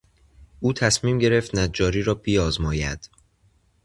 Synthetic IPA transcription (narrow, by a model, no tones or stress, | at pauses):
uːt̪ʰæsmiːmɟe̞ɾe̞ft̪næd͡ʒɒːɾiːɾɒːbiːɒːzmɒːjæ̰d̪̥